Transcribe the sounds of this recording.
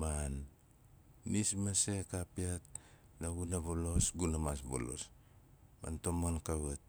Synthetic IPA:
manː | ismase̞kapiat̚ | laɡunaβolo̞sɡunamasbo̰lo̞̰s | ma̰nto̞monkaβat̚

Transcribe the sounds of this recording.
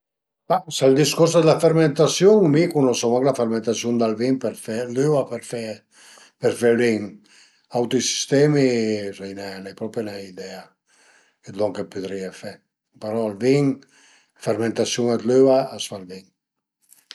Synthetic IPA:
basald̪iskuɾs̬d̪lafeɾment̪asjuŋmikunɔsɔwaŋklafeɾment̪asjund̪alviŋpeɾfɛløvapeɾfɛ | pɛɾfɛliŋ | awt̪osi̥st̪ɛmirɛjnɛnajpɾɔpenaid̪ɛa | et̪lɔŋkepyd̪ɾiefɛ | peɾɔalviŋ | feɾment̪asjuŋɛt̪løaasfalviŋ

